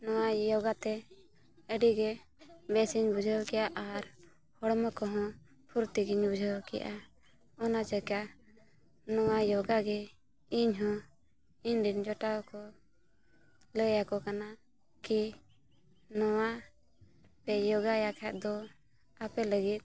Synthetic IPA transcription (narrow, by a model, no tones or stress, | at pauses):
nɔwajɔɡat̪ɛ | əɖiɡɛ | bɛsiɲbud͡ʒʱəwkɛjaʔaɾ | hɔɽməkɔɦɔ̃ | pʰuɾt̪iɡiɲbud͡ʒʱəwkɛjʔa | ɔnat͡ʃəka | nɔwajɔɡaɡɛ | iɲɦɔ̃ | iɲɾiɲd͡ʒɔʈakɔ | ləjakɔkana | ki | nɔwa | pɛjɔɡajakʰɛt̪̚ˀd̪ɔ | apɛləɡit̪̚ˀ